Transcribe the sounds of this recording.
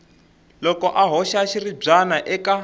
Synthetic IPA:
lɔkɔʔaɦɔʃaʃirib͡ʐanaʔɛka

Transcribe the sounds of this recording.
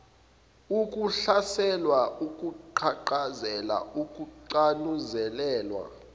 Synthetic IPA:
ukʼuɬasɛlwaʔukʼuǃʰaǃazɛla̰ukʼuǃanuzɛlɛːlwa̰

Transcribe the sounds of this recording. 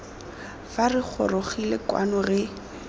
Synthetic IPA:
farɪk͡xʰɔ̰roχilekwa̰nʊɣɪ

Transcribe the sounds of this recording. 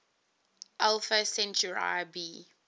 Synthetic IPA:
ʔɛlfəsɛ̃nt͡ʃuɹa̰ɪbiː

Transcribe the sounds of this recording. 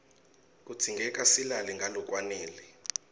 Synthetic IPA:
k̬ʼut͡sʰiŋɡʱɛk̬ʼasilaliŋɡʱalɔk̬ʼwaneːli

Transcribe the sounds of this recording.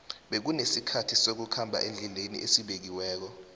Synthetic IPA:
ɓek̬unesikʰatʰisok̬ukʰambʱa̰ʔend͡ɮʱilenḭʔesiɓek̬iwɛːk̬ɔ

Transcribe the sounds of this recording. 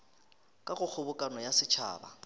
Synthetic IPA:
kʼaɣʊk͡xʰʊbʊkʼanɔjasɪt͡ʃʰa̰ːba̰

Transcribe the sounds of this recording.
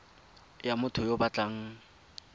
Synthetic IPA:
jamʊtʰʊjobat͡ɬʼaŋ̩

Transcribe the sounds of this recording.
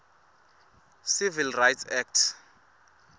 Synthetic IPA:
sivilrajtsɛk̚tʰ

